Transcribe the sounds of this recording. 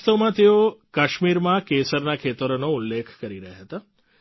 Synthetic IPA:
t̪əmãt̪eokaʃmiɾmãkesəɾnakʰet̪əɾonoulːekʰkəɾiɾəɦaɦət̪a

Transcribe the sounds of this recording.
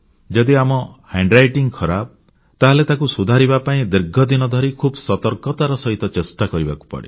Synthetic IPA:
d͡ʒɔd̪iamɔhaɳɖɾajʈiŋkʰɔɾab̚ | t̪aɦɔlet̪akusud̪ʱaɾibapaĩd̪iɾɡʱɔd̪inɔd̪ʱɔɾikʰubsɔt̪ɔɾkɔt̪aɾɔsɔɦit̪ɔt͡ʃestakɔɾibaku̥pɔ̰ɽḛ

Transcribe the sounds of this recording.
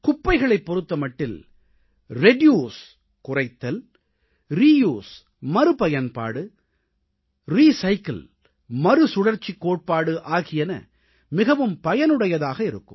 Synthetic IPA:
kʊpːɐɪɣɐɭɐɪpːɔɾɯt̪ːɐmɐʈːɪl | ɾɛɖjuːs | kʊrɐɪt̪ːɐl | ɾiːjuːs | mɐɾɯpɐjɐnpa̰ːɽɯ | ɾiːsɐɪkɐl | mɐɾɯsʊɽɐɾt͡ʃːikːoːʈ̚paːɽɯʔaːɣɪjɐnɐ̰ | mɪɣɐʋɯmpɐjɐnɯɽɐjɐðaːɣɐɪɾɯ̰kːɯm

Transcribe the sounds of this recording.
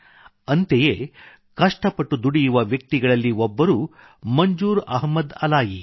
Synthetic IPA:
ɐnt̪ejeː | kɐʂʈɐpɐʈːud̪uɽijuʋɐʋjɐk̚t̪iɡɐɭɐlːiɔbːɐɾuː | mɐɲd͡ʒuːɾɐɦmɐd̪ɐlaːji

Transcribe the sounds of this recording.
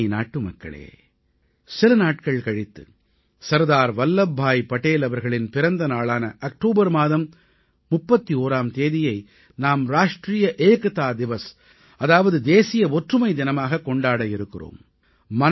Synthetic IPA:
na̰ːʈːɯmɐkːɐ̰ɭḛː | sɪlɐnaːʈ̚kɐɭkɐɻɪt̪ːɯ̰ | sɐɾðaːɾʋɐlːɐbʱːaːjpɐʈːeːlɐʋɐɾɣɐɭɪnpɪɾɐnd̪ɐnaːɭaːnɐʔɐk̚ʈoːbɐɾmaːðɐmː | ʊpːɐt̪ːioːɾaːmt̪eːðɪjɐɪ | naːmɾaːʂʈriːjɐʔeːkɯt̪aːd̪ɪʋɐs | ɐðaːʋɐðɯd̪eːsɪjɐɔʈrɯmɐɪd̪ɪnɐmaːɣɐkːɔɳɖaːɽɐjɪɾɯkːɪro̰ːmː | ɐn

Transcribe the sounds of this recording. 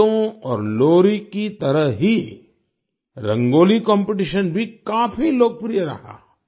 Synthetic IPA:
õɔːɾloːɾikit̪ɐɾəɦɦi | ɾɐ̃ŋɡoːlikɔ̃ːmpeʈ̬iʃənbʱikaːfiloːɡ̚pɾijəɾɐ̰ɦa̰ː

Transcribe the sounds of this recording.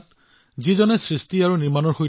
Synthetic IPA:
t | zizɔnɛsɹistiaɹuniɹmanɔɹxoj

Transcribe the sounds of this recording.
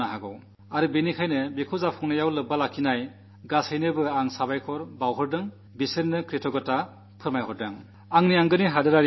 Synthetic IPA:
aɦaɡɔw | aɾɯbenikʰajnɯbikʰɔzapʰɔŋnajawlɯbalakʰːinaj | ɡashɯjnɯbɯaŋsabajkʰɔɾbawɦɯɾdɯŋ | bisennːɯkɾitʰɔɡɯta | pʰɯɾmajɦɔɾdaŋ | aŋniaŋɡɯniɦadɯɾaɾ

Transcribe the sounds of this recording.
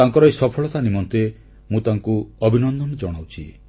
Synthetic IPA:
aŋkɔɾɔjsɔpʰɔɭɔt̪animɔnt̪e | mũt̪aŋkuɔbʱinɔnd̪ɔnɔd͡ʒɔɽ̃awt͡ʃʰḭ

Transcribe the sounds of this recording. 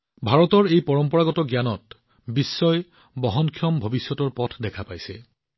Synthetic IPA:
bʱaɹɔtɔɹejpɔɹɔmpɔɹaɡɔtɔɡjanɔt̚ | bisːɔj | bɔɦɔnkʰiɔmbʱobisjɔtɔɹpɔtʰdɛkʰapajsɛ

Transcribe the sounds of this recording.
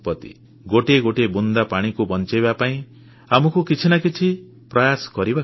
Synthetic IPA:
pɔt̪ḭ | ɡoʈeɡoʈebund̪apaɽ̃ikubɔnt͡ʃebapaĩ | amɔkukit͡ʃʰinakit͡ʃʰi | pɾajaskɔɾiba

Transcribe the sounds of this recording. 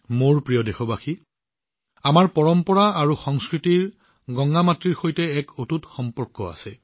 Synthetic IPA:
moɹpɹijɔdexɔbaxi | amaɹpɔɹɔmpɔɹaaɹuxɔŋskɹitiɹ | ɡɔŋɡamatɹiɹxojtɛɛkotutxɔmpɔɹkɔa̰sɛ

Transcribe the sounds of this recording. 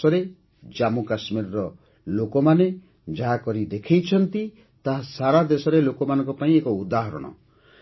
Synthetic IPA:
ɔɾe | d͡ʒamukasmiɾɔɾɔ | lokɔmane | d͡ʒaɦakɔɾid̪ekʰejt͡ʃʰɔnt̪i | t̪aɦasaɾad̪esɔɾelokɔmanɔŋkɔpaĩekɔud̪aɦɔɾɔ̰ɽ̃ɔ̰

